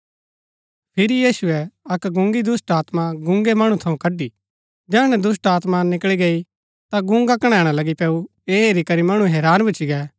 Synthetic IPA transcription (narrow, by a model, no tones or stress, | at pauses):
pʰɪɾijiːsʊɛɐkɡʊ̃ŋɡid̪ʊsʈaːt̪maɡʊ̃ŋɡemɐɽ̃ũt̪ʰɐũkɐɖi | d͡ʒɛːɽ̃ɛd̪ʊs̬ʈaːt̪manɪkɭiɡeːi | t̪aɡʊ̃ŋɡakɐɽ̃ɛːɽ̃alɐɡipɛːu | eːeːɾikɐɾimɐɽ̃ũɦɛːɾaːnbɪt͡ʃʰiɡɛː